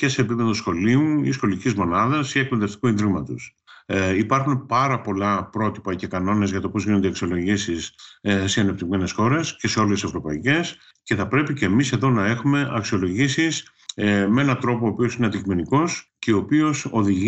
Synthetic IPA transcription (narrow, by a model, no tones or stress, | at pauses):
ce̞se̞ːpipe̞ðo̞sxo̞liuisxo̞licizmo̞nɐðɐsiek̚peðeft̪i̥kuind̪ɾiɣmɐt̪us | ipɐɾxunpɐɾɐpo̞lɐpɾo̞t̪i̥pɐce̞kɐno̞ne̞zʝɐt̪o̞pozʝinod̪iɐksio̞lo̞ʝisisseɐnep̚t̪iɣme̞ne̞sxo̞ɾe̞sce̞se̞o̞lese̞vɾo̞pɐice̞s | ce̞θɐpɾe̞pice̞ːmise̞ðo̞nɐe̞xume̞ʔɐksio̞lo̞ʝisis | mee̞nɐt̪ɾo̞poːpio̞sineɐnd̪icime̞niko̞sceopio̞so̞ðiʝ